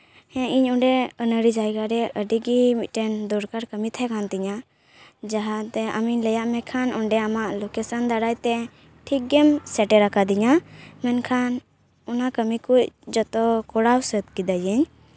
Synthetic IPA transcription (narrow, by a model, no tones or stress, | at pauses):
hɛ̃iɲɔɳɖɛənəɽid͡ʒajkaɾɛəɖiɡimit̪̚ˀʈɛnd̪ɔɾkaɾkəmit̪ʰɛkʰant̪iɲa | d͡ʒaɦat̪ɛa̰miɲləjaʔmɛkʰanɔɳɖɛamaʔlɔkɛsand̪aɽajt̪ɛ | ʈʰik̚ɡɛmsɛʈɛɾakad̪iɲamɛnkʰan | ɔnakəmikuc̚d͡ʒɔt̪ɔkɔɽawsət̪̚kid̪ajəɲ